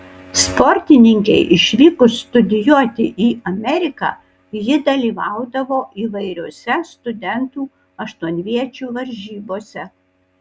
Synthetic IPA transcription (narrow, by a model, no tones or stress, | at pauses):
spɔɾʲt̪ʲɪnʲɪŋʲkʲɛɪʔɪʃʲʋʲiːkʊst̪ʊd̪ʲɪjuɔt̪ʲɪʔiːɐmʲɛɾʲɪkɑ̰ | jɪd̪ɐlʲiːʋɑˑʊd̪ɐʋoːʔiːʋɐɪɾʲoɔːsʲɛst̪ʊd̪ʲɛnt̪uː | ɐʃt̪uɔnʲʋʲiɛt͡ʃʲuːʋɐɾʲʒʲiːboːsʲɛ